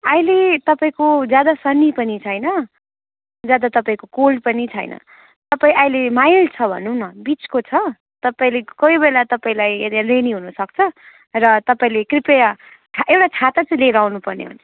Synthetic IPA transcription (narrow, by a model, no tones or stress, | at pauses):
ʌjlet̪ʌpaĩkod͡zjad̪asʌnːipʌnit͡sʰʌjnʌ | d͡zjad̪at̪ʌpaĩkokolpʌnit͡sʰʌ̰jnʌ̰ | t̪ʌpaĩajlemajlt͡sʰʌbʱʌ̰nunʌbit͡skot͡sʰʌ | t̪ʌpaĩlekʌjbelat̪ʌpaĩlajed̪aleniɦunʌsʌk̚t͡sʰʌ | rʌt̪ʌpaĩlekripe | ewʈat͡sʰat̪at͡sʌ̃ĩleɾawnupʌrnḛɦṵnt͡sʰʌ